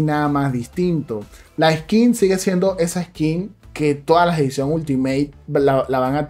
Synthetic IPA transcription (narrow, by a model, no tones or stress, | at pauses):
naðamazðist̪int̪o̞laeskinsiɣesje̞nd̪o̞ʔe̞saeskinke̞t̪o̞ðaslaseðisjo̞ŋult̪imejt̪̚lalaβaŋat̪